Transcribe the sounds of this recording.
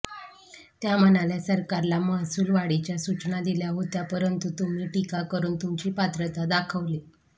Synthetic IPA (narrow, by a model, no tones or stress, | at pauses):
t̪jam̤ənaljasəɾkaɾlamaɦsuːlʋaɽit͡ɕjasut͡ɕnad̪iljaɦot̪japəɾənt̪ut̪um̤iːʈikakəɾuːnt̪umt͡ɕiːpat̪ɾət̪ad̪akʰəʋli